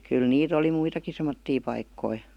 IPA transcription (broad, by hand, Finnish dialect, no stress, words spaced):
kyl niːt oli muitɑki semotːiː pɑikːoi